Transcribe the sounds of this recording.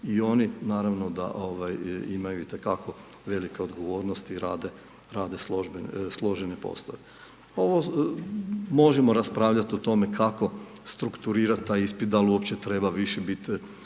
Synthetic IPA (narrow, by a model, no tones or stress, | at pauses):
io̞ninaːɾaʋnod̪a̰ʔoʋajimajuit̪e̞kako̞ | ʋe̞like̞od̪ɡoʋo̞ːɾnost̪iɾaːd̪e | ɾaːd̪e̞sloʒbenslˠo̞ʒenepo̰st̪oʋe | o̞ʋo | mo̞ʒemo̞ɾaspɾaːʋʎat̪iot̪o̞me̞kʰako̞ | st̪ɾukt̪uɾiːɾat̪̚t̪ːaːjispit̪̚d̪alˠuopt͡ʃt͡ɕet̪ɾe̞ːbaʋiʃebit̪